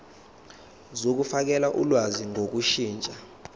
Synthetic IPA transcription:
zok̬ufak̬ɛlaʔṵlwaziŋʱok̬uʃiːnt͡ʃʼa

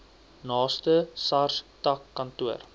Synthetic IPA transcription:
nɑːstəsɐrstɐkːɐntuər

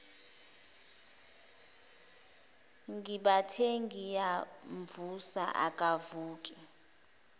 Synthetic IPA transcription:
ŋɡiɓatʰeŋɡijaɱvusa̰ʔa̰kʼavuːkʼi

